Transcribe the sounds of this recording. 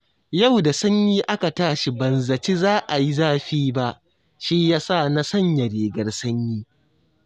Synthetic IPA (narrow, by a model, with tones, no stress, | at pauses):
ja˦˨wda˨sɐ˦ɲjiː˦ʔa˦ka˨taː˦ʃi˨bɐ˨nzɐ˨t͡ʃi˦zaː˦ʔa˨ji˦zaː˦ɸiː˦ba˦ʔ | ʃi˦jaː˦sa˦˨na˦sɐ˦˨ɲjɐ˨ɽeː˨ɡɐ˨rsɐ˦ɲjiː˦